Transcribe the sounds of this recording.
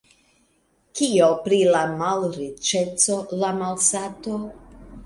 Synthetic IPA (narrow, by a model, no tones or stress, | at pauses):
kiopɾilamalɾit͡ʃet͡solamalsat̪o